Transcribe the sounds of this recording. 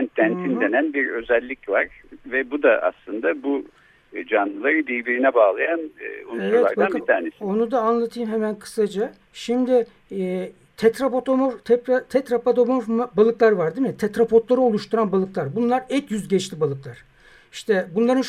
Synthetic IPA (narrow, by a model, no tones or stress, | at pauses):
nd̪æntʰind̪enænbiɾø̞zɛlʲːicva̰ɾ̥vɛbud̪aʔa̰slˠɯnd̪abu | d͡ʒanlˠɯlˠaɾɯd̪ijbiɾinɛbaːlˠajanunevɛaaɾdb̪aanit̪ʰaːnesio̞nud̪aːnlˠat̪ʰɯjmɦemænkʰɯ̥sad͡ʒa | ʃimd̪ɪː | t̪ʰɛt̪ɾapot̪ʰomoɾt̪ʰɛpɾat̪ʰɛt̪ɾapad̪o̞moɾmabalˠɯklˠaɾvaɾd̪imɪt̪ʰɛt̪ɾapʰo̞t̪lˠaɾɯo̞lˠuʃt̪ʰuɾanbalˠɯklˠaɾbunlˠaɾɛcjyzɟɛt͡ʃt̪ʰibalˠɯklˠaɾ̥ | iʃt̪ʰɛbunlˠaɾɯn